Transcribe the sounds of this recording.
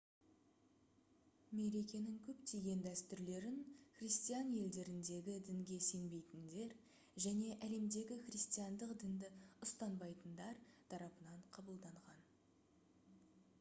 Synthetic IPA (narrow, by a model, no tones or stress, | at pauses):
me̞ɾe̞kʲe̞nɪŋkʲʰɵpt̪ʰeɡʲe̞nd̪æst̪ʏɾle̞ɾɪnχrʲijst̪ijɑnje̞ld̪e̞ɾɪnd̪e̞ɡʲɪd̪ɪŋɡʲe̞se̞nbe̞jt̪ɪnd̪e̞ɾ | ʒæne̞ʔæle̞md̪e̞ɡʲɪχrʲijst̪ijɑnd̪əqd̪ɪnd̪ɪʊst̪ɑnbɑjt̪ənd̪ɑɾt̪ʰɑɾɑpənɑɴqʰɑbəlˠd̪ɑɴʁɑn